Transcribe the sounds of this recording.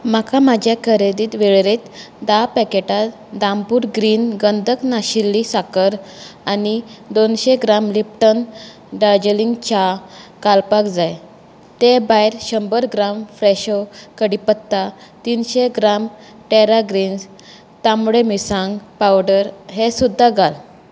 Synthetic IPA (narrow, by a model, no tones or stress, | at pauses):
makamad͡ʑʱjakʰəɾed̪iːt̪ʋeɭɾet̪ | d̪apɛkeʈa | d̪ãmpuːɾɡɾiːnɡənd̪ʱəknaɕilːisakəɾanid̪onɕeɡɾamlip̚ʈən | ɖad͡ʑəliŋɡt͡ɕakalpakd͡zaj | t̪ebajɾɕəmbəɾɡɾamfɾɛɕowkəɽipət̪ːat̪inɕeɡɾam | ʈeɾaɡɾiːns | t̪amɽemisãŋɡpawɖəɾɦesud̪ʱːaɡal